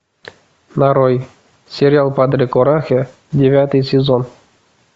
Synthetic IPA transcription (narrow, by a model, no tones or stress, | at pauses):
naɾoj | sʲɪɾʲɪalˠpad̪ɾʲɪkoɾaxʲe | dʲɪvʲat̪ɨjsʲɪzon